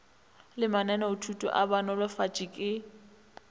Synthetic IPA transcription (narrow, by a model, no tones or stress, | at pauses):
lɪmanɛnaʊtʰutʼɔ̰ʔabanɔlafat͡ʃʼikʼɪ